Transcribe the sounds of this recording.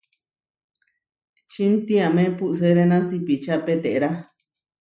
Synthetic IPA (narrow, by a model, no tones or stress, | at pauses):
t͡ʃint̪ĩãmẽpuʔs̬eɾenãsipit͡ʃapet̪eʔɾa